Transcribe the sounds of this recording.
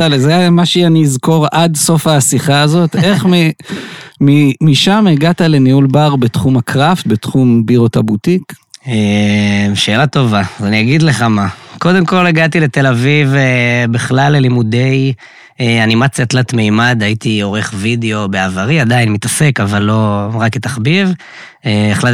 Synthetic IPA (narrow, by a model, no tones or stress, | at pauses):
alzemaʃeaniizko̞ʁad̪so̞fasiχaːzo̞t̪e̞χmi | mimiʃameɡat̪ale̞niulbaʁbetχumakʁaft̪̚bet̪χumbiʁo̞tabut̪ike | ʃe̞ːlat̪o̞vazaniaɡid̪le̞χamako̞d̪e̞mko̞leɡat̪ilet̪e̞lavivebiχlalːelimude̞j | eanimat͡sjat̪lat̪mejmad̪hait̪io̞ʁe̞χvid̪eo̞beavaʁiad̪ainmitase̞kavalːo̞ʁaket̪aχbiv | eeχla